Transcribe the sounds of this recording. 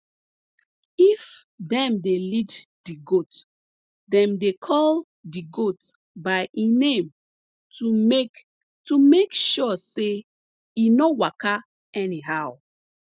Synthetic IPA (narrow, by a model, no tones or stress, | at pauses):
if | dɛ̃mdeliddiɡot | dɛ̃mdekʰɔl | diɡot | baɪʔĩnẽm | u | tumekʃɔse | inowaka | ɛniɦaʊ